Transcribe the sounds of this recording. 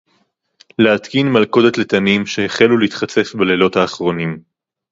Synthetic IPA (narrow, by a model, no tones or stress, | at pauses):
leat̪kinmalko̞d̪et̪let̪ɐnimʃeheχeluliit̪χat͡se̞fbelelo̞t̪haːχʁo̞nim